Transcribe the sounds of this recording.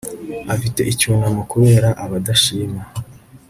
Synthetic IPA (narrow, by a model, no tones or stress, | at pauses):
afite̞ʔicunamakuβe̞ːɾaʔaβadaʃiːma